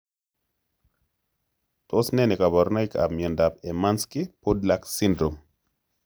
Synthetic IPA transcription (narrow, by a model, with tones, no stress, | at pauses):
tosnɛ˦nɛ˨ka˨bɔ˨ɾna˦jka̰˨bmje˨nda˨pe˨ma˦nski˦po˦dlaksi˦ndɾo˨m